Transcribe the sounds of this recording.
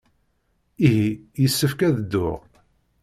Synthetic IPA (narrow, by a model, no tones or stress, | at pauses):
iɦijəsːəfkæðəd̪ːʊʁ